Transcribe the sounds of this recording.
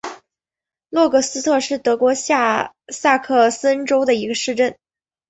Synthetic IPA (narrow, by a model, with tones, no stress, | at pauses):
lwɔ˥˩kɤ˥˩sɹ̩˥t̪ʰɤ˥˧ʂɻ̩˥˩t̪ɤ˧˥kwɔ˧˥˧ | sa˥˧kʰɤ˥˩sə˥nʈ͡ʂo˥ʊd̪ə˨i˧˥ɡə˧ʂɻ̩˥˧ʈ͡ʂə˥˩n